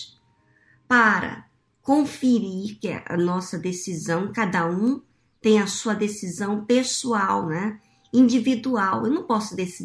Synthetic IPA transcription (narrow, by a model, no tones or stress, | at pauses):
paɾɐ̰ | kõfeɾiɾkɪɐ̰nɔsɐd̪esizɐ̃w̃kad̪ɐũ | t̪ẽj̃ɐsuɐd̪esizɐ̃w̃pesuawnɛ | ĩd͡ʒivid̪uawewnɐ̃w̃pɔsʊd̪esi